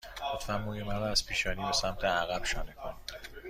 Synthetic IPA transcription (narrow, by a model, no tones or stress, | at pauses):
ɡ̥offæmːuːjemæɾɒæz̥pʰiːʃɒːniːbesæmt̪ʰeæɣæb̥ʃɒːnekʰon